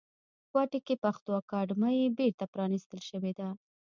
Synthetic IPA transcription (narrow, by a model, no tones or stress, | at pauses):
kwɑʈekepaxt̪wɑkɑɖməjebeɾt̪apɾɑnist̪əlʃəwed̪a